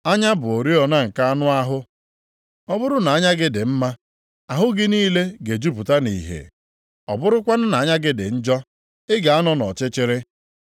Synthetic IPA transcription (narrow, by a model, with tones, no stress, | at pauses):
a˦ɲa˦bʊ˨o˨ɾi˦ɔ˨na˦ŋ̩˨ka˦a˦nʊ˦a˦ɦʊ˦ | ɔ˦bʊ˦ɾʊ˦na˨a˦ɲa˦ɡɪ˦dɪ˨m̩˦ma˦ | a˨ɦʊ˦ɡɪ˦niː˦le˦ɡe˨d͡ʒu˦pu˨ta˦nḭ˨ɦḛ˨ | ɔ̰˨bʊ˦ɾʊ˦kʷa˦nʊ˦na˨a˦ɲa˦ɡɪ˦dɪ̰˨n̩˦d͡ʒɔ˦ | ɪ˦ɡa˨a˦nɔ˦nɔ̰˨t͡ʃɪ˦t͡ʃɪ˦ɾɪ˦